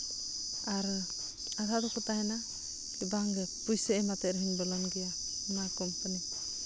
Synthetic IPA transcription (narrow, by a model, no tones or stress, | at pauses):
aɾ | adad̪ɔkɔt̪aɦɛna | kibaŋɡɛpujsɛɛmat̪ɛɾɦinbəlɔnɡɛja | ɔnakɔmpani